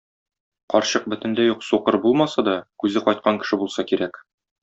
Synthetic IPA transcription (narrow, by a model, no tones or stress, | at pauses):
qɒɾɕɤq̚bɵ̆t̪ɘ̆nd̪æjuqsuqɤɾbulˠmɑsɑd̪ɒkʉzɘqɒjt̪̚qɑŋkɘ̆ʃɘbulˠsɑkiɾæk